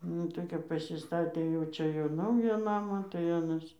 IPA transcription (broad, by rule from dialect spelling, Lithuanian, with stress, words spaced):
ˈnʊ tɐɪ kɐp pɐsʲɪˈstɑːtʲeː jɛʊ ˈt͡ʃʲɛ jɛʊ ˈnɐʊjæː ˈnɑːmɑː tɐɪ ˈɑːnɐs